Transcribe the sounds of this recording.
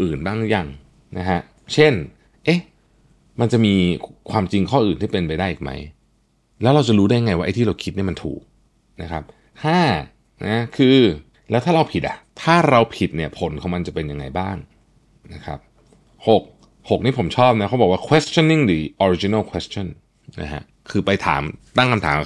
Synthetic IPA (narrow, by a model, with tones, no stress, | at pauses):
ʔɯː˨˩nbaː˥˩ŋja˨˧˩ŋ | na˦˥kʰa˦˥ | t͡ɕʰe˥˩n | ʔe˦˥ | ma˧nt͡ɕa˨˩ʔmiː˧kʰwaː˧mt͡ɕi˧ŋkʰɔː˥˩ʔɯː˨˩nt̪ʰiː˥˩pe˧npa˧jdaː˥˩ʔiː˨˩k̚ma̰˦˥j | lɛː˦˥wɾa˧wt͡ɕa˨˩ɾuː˦˥daː˥˩ja˧ŋa˧jwa˥ʔa˧jt̪ʰiː˥˩ɾa˧wkʰi˦t̪̚ni˥˩ma˧nt̪ʰṵː˨˩k̚ | na˦˥kʰa˦˥p̚ | kʰaː˥˩ | nʔa˦˥kʰɯː˧ | lɛː˦˥wt̪ʰaː˥˩ɾa˧wpʰi˨˩t̪̚ʔa̰˨˩t̪ʰaː˥˩ɾa˧wpʰi˨˩t̪̚ni˥˩ɐpʰo˩˦nkʰɔ˨˩˦ŋma˧nt͡ɕa˨˩pe˧nja˧ŋːa˧jbaː˥˩ŋ | na˦˥kʰɾa̰˦˥p̚ | ho˨˩k̚ | ho˨˩k̚niː˥˩pʰo˩˦mt͡ɕʰɔː˥˩p̚na˦˥kʰa˦˥bɔː˨˩waː˥kʰweː˦˥st͡ɕʰɔ˧˥˨ni˥˩ŋlɯː˩˦ʔɔ˧ɾi˧˥t͡ɕi˧na˥˩lkʰweː˦˥st͡ɕʰɔ˥˩n | na̰˦˥kʰa̰˦˥ʔ | kʰɯː˧pa˧jt̪ʰa̰ː˩˦mt̪a˥˩ŋkʰa˧mt̪ʰaː˩˦m˨˩